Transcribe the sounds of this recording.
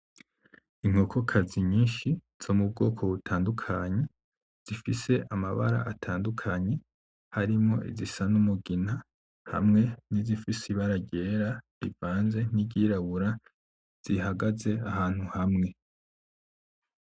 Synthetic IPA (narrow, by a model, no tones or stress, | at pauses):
iŋ̥hoːkʰokʰaziɲiːnʃi | z̥o̞mub̚ɡo̞ːkʰo̞βutʰaːndukʰaɲe̞ | z̥ifise̞ʔamaβa̰ɾa̰ʔatʰaːndukʰaɲe̞ | haɾimŋo̞ʔḭzisanumuɡina | ha̰mŋe̞nizifisiβaɾaɟe̞ːɾaɾivaːnze̞niɟiɾaβuɾa | z̥iɦaɡaze̞ahaːn̥huhamŋe̞